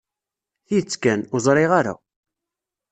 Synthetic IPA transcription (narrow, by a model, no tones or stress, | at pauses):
θit͡sːkænʊzˤɾˤɪʁaɾa̰